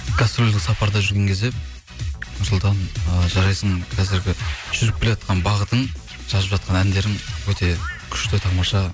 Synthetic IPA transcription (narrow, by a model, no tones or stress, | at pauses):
ɡ̥ost̪ɾolʲd̪ɪksɑpɑɾd̪ɑʒʏɾɡʲe̞ŋkʲʰe̞zd̪e̞ | nʊslˠt̪ɑnəʒɑɾɑjsəɴkʰɑzɪɾɡʲɪʒ̥ʏɾɪp̚kʲeleɑt̪qʰɑnbɑʁət̪əɴ | ʒ̥ɑzəpʒɑt̪̚qɑnænd̪e̞ɾɪŋwɵt̪e̞kʲʰʏ̥ʃt̪ɪt̪ʰɑmɑʃɑ